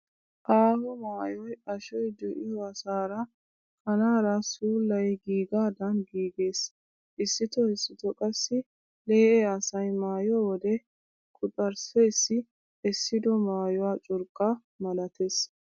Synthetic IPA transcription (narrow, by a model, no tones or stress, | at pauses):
ʔaːhɔmaːjɔjɐʃɔjd̪ɔʔɪjɔɐsaːɾɐ | kɐnaːɾɐsuːlːɐjɡiːɡaːd̪ɐnɡiːɡe̞ːs | ʔɪsːɪt̪ɔɪsːɪt̪ɔkʼɐsːɪ | leːʔɛɐsɐjmaːjɔwɔd̪ɛ | kʼʊt̪ʼɐɾsɛjsːɪ | ɛsːɪd̪ɔmaːjɔwaːt͡ʃʼʊɾkʼːɐ | mɐlɐt̪ʰes